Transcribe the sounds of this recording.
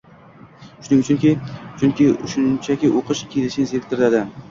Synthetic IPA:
ʃʊnɪŋʊt͡ʃʰʊŋkʲɪt͡ʃʰʊŋkʲɪʊʃʊnt͡ʃʰakʲɪʔoqɨʃkʲʰelɪʃɪnɪzeek̚ʲt̪ɪɾd̪ad̪ɪ

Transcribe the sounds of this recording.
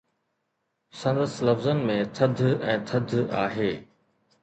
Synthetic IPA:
sɐ̃nd̪əslɐfzənmẽt̪ʰɐd̪ʱɛ̃ːt̪ʰɐd̪ʱa̰ːɦeː

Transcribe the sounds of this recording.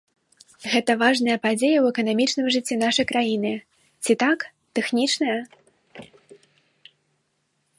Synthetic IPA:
ɣɛt̪ɐvaʐn̪ɐjɐpad͡zʲejɐwɛkɐnamʲit͡ʂn̪ɨmʐɨt͡sʲːin̪aʂɐjkɾajinɨ | t͡sʲit̪ak | t̪ɛxnʲit͡ʂnɐjɐ

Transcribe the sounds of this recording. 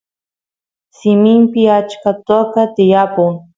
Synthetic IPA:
sɪmɪmpɪat͡ʃkat̪okat̪ɪjapʊŋ

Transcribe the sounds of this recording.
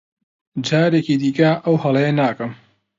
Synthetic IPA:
d͡ʒaːɾeciːd̪iːkɐʔɐwhɐlˠɐjenaːkɐm

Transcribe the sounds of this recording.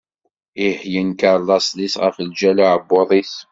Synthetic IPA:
ihjənkəɾlɑsˤlisʁə̰fəld͡ʒælaʕəbːoðˤiθ

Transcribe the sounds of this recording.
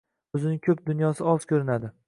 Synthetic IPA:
ɵzɪnɪkʲʰɵp̚d̪ʊnjɒsɪɒz̥kʰʲɵɾɪnad̪ɪ

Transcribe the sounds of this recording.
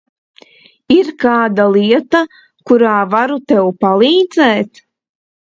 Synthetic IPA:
iɾkaːd̪alˠiɛt̪a | kuɾaːvaɾut̪ɛwpalˠiːd̪zɛːt̪

